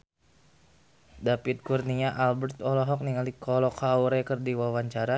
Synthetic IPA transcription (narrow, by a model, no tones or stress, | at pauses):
dapit̪̚kurniɲaʔalbərt̪ɔlɔɦɔk̚niŋalikɔlɔkʰawɾɛkərdiwawaɲt͡ʃaɾa